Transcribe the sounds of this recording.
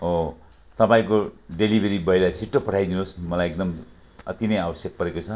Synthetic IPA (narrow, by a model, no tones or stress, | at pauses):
o | t̪ʌpãĩkoɖelibʱeɾibʌjlat͡sʰiʈːopʌʈʰajd̪inosmʌlajek̚d̪ʌm | ʌ̰t̪inʌjabʌsjʌk̚pʌɾekot͡sʰʌ